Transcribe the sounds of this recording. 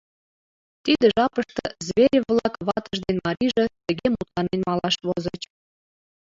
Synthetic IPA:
t̪id̪əʒɑpəʃt̪ə̆zβʲeɾʲeβlɑkβɑt̪ə̆ʒd̪enmɑɾiʒĕt̪ə̆ɣemut̪lɑnenmɑlɑʃβozət͡ɕ

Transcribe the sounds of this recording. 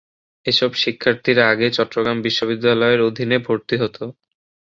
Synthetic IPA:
eʃɔbʃikʰːaɾt̪ʰiɾaɡet͡ɕɔtːɾoɡɾambiʃːobid̪ːalɔeɾod̪ʱinebʱoɾt̪iɦot̪o

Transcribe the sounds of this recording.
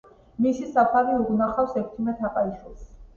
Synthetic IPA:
misisapʰaɾiuʁnaχafwsɛkʰt̪ʰimɛt̪ʰaqʼaiʃwilˠs

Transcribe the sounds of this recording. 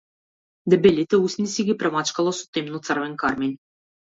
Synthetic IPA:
d̪ɛbelʲit̪ɛusʲnisiɡʲipɾɛmat͡ʃkalˠɔsu̥t̪emnut̪sərvɛnkaɾmenʲ

